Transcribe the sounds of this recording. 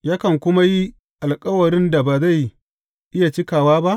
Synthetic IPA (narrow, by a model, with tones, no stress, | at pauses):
jaː˦kɐ˨ŋkʷʊ˦ma˦ji˦ | ʔa˨lkʼɐ˦wɐ˨ɽɪ˦nda˨baː˨za˦˨j | ʔɪ˦ja˨t͡ʃɪ˦kaː˨waː˦ba˦ʔ